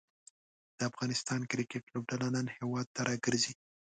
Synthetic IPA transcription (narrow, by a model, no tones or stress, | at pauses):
d̪̥əafɣɑnɪst̪ɑnkɾɪkɪʈlob̚ɖalanənhewɑd̪̚t̪aɾɑɡəɾzi